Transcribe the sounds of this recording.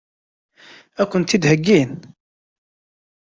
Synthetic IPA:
ækʷːənt̪id̪həɡːin

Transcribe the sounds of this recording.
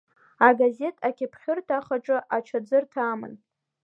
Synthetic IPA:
aɡaze̞tʼʰakʲʰɪpʰχʲʊrtʰaχaʈ͡ʂʼɨʔat͡ʃʰad͡zɨrtʰaːmɨ̰n

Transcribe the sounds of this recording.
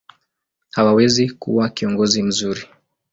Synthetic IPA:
hawawɛzikṵwakiɔŋɡɔzim̩zuɾi

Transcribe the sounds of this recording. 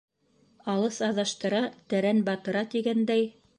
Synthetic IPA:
ɑlˠɤsɑðɑʃt̪ɤ̆ɾɑt̪æɾænbɑt̪ɤ̆ɾɑt̪iɡænd̪æj

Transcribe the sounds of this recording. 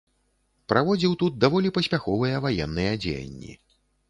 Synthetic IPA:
pɾʔavɔd͡zʲiwt̪ut̪̚d̪avɔlʲipɐsʲpʲaxɔvɨjɐvajɛnːɨjɛd͡zʲḛjɐ̰nʲːḭ

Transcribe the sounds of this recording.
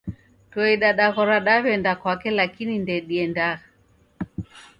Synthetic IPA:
twɛiɗaɗaɣɔɾaɗaβɛndakwakɛlakinindɛɗiɛndaɣa

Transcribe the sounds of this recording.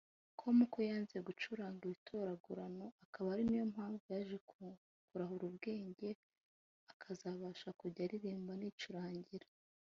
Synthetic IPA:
kʰomukʰojaːnzijeɡut͡ʃuɾaːŋɡuɾitʰo̞ɾaɡuɾano̞akʰaβaɾinijo̞mhaːɱvujaʒe | kuɾaɦuɾubɡe̞ːɲɟe̞ | akʰazaβaːʃakuɾɟaɾiɾiːmbaniːt͡ʃuɾaːɲɟiɾa

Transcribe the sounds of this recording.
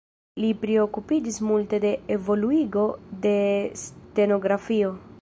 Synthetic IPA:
lipɾeo̞kupid͡ʒismulte̞de̞evo̞luiɡo̞de̞ste̞no̞ɡɾafio̞

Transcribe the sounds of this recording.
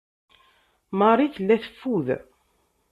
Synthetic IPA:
mɑrˤiθəlːæθə̥fːuð

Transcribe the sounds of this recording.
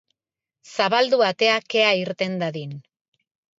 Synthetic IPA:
saβald̪uat̪e̞ake̞aiɾt̪e̞nd̪aðin

